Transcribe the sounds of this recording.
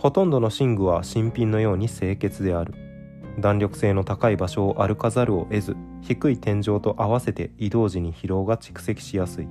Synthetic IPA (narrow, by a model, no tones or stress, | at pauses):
ho̞t̪õ̞nd̪o̞no̞ɕĩŋɡɯ̟βaɕĩmpʲĩnːo̞jo̞ːɲ̟ise̞ːke̞t͡sɨd̪e̞aɾɯ̟ | d̪ãɲɾʲo̞kɯ̟̥se̞ːno̞t̪akaibaɕo̞ːʔaɾɯ̟kazaɾɯ̟o̞̰ʔe̞zɨ | çikɯ̟it̪ẽ̞ɲ̟d͡ʑo̞ːt̪o̞ʔaβase̞t̪e̞id̪o̞ːʑiɲ̟içiɾo̞ːɡat͡ɕi̥kɯ̟̥se̞kʲi̥ɕijasɨi